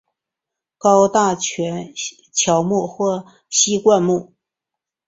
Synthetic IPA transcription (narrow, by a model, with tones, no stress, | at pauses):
kɑ˥ʊt̪a˥˩t͡ɕʰɥɛ˧˥n | t͡ɕʰjɑ˧˥ʊmu˥˩xwɔ˥˩ | ɕi˥kwa˥˧nmu˥˩